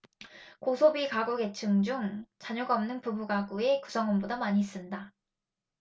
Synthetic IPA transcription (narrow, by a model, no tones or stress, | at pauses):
kosʰobikaɡoɡe̞t͡ɕʰɯŋd͡ʑuŋt͡ɕaɲoɡaʌmnɯnpubuɡaɡue̞ku̥sʰʌŋonbodamaɲiːs͈ɯnda